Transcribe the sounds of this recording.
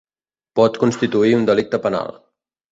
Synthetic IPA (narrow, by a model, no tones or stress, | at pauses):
pɔt̪kunst̪it̪uiund̪əlik̚t̪əpəna̰l